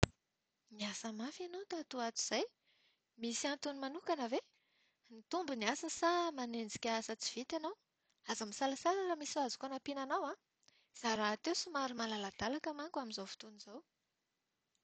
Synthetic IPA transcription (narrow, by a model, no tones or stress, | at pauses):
miasəmafanowt̪at̪uat̪u̥z̥aj | misiant̪unimanukanəve | nit̪umbuniasəsamanend͡zikʲaasət͡siv̥it̪anaw | azəmisalasalalamisiazu̥kanapinanawã | z̥aɾat̪ewsumaɾumalalad̪̥alakamaŋkaminzowfu̥t̪uniz̥aw